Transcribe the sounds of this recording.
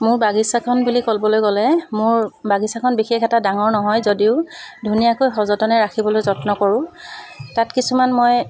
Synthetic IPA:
mʊɹbaɡisakʰɔnbulikolbɔlojɡɔlɛmʊɹbaɡisakʰɔnbixexɛtadaŋɔɹnɔɦɔjzodiʊdʱunijakojxɔzɔtɔnɛɹakʰibɔlojzɔtnɔkɔɹʊ̃tatkisumanmoj

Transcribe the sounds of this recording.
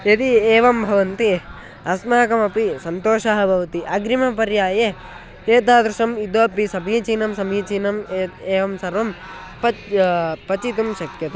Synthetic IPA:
et̪ieːʋɐmbʱɐʋɐnt̪i | ɐsmaːkɐmɐpisɐnt̪oːʃaɦɐbʱɐʋɐt̪iʔɐɡɾimɐpɐɾjaːje | eːt̪aːd̪ɾuʃɐmid̪ʋoːpːisɐbniːt͡ʃiːnɐmsɐmiːt͡ʃiːnɐmeːʋɐmsɐɾʋɐm | pɐ | pɐt͡ʃit̪umʃɐkjɐt̪e

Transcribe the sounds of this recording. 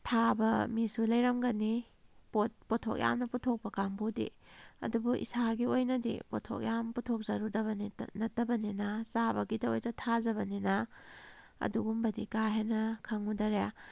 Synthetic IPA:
tʰabɐmisulɐjɾɐmɡɐni | pot̚potʰo̰k̚jʔa̰mnɐputʰok̚pɐkaŋbudḭɐ̰dubuʔḭsaɡiojnɐdḭpo̰tʰo̰k̚jamputʰok̚zɐɾudɐβɐninɐtːɐbɐninɐsabɐɡidɐojdɐtʰazɐβɐninɐ | ɐ̰duɡumbɐdikaɦenɐkʰɐŋudɐɾja

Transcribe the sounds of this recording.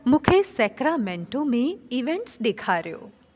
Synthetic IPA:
mũkʰesɛkɾamẽɳʈõmẽiʋeɳʈsd̪ekʰaɾjo̰ː

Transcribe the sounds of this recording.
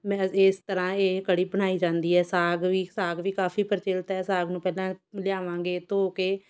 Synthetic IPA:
mɛ̃est̪əɾãːeːkəɽiːbəɳ̃aːiːd͡ʒãːnd̪iːɛːsaːɡʋiːsaːɡʋiːkaːfʰiːpəɾt͡ʃɪlt̪ɛːsaːɡnũːpɛːlãːlɪjaːʋãːŋɡeːt̪oːkeː

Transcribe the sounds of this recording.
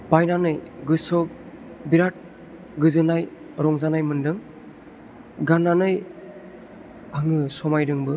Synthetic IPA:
bajnanɯjɡɯsɔk̚ | biɾat̚ | ɡɯzɯnaj | ɾɔŋzanajmɯndɯŋ | ɡananɯj | aŋɯsɔmajdɯŋbɯ

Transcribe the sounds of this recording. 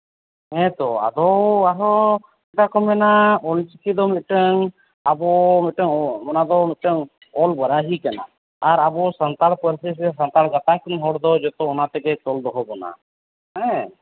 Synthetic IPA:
ɦɛ̃t̪ɔa̰d̪ɔaɦɔ | ɛʈakɔmɛnaɔlt͡ʃikid̪ɔmit̪̚ˀʈəŋ | abɔmɛʈəŋɔmɔnad̪ɔmit̪̚ʈəŋ | ɔlbəɾaɦikana̰ | aɾabɔsant̪alpəɾsis̬ɛs̬ant̪alɡat̪akinɦɔɽd̪ɔd͡ʒɛt̪ɔːnat̪ɛkɛt̪ɔld̪ɔɦɔbɔna̰ | ɦɛ̃

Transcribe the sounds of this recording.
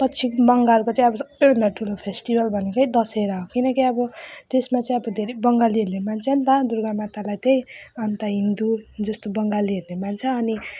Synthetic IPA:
pʌt͡sʰibʌŋɡalkot͡saĩʌbʌsʌ̥bːʌjbʱʌnd̪aʈʰulopʰesʈibʌlbʱʌnekʌjd̪ʌseɾʌɦokinʌkiʌbʌt̪esmat͡saĩʌbʌd̪ʱeɾebʌŋɡaliɦeɾnemant͡sʰʌnt̪ad̪uɾɡamat̪alajt̪ejʌnt̪aɦind̪ud͡zʌst̪obʌŋɡaliɦʌɾnemant͡sʰʌːni

